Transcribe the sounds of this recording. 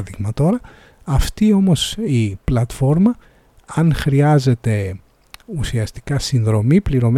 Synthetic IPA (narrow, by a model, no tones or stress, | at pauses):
ðiɣmɐt̪o̞ɾɐ | ɐft̪io̞mo̞siplɐt̪fo̞ɾmɐ | ɐnxɾiɐze̞t̪e̞ | usiɐst̪i̥kɐsinðɾo̞mipliɾo̞m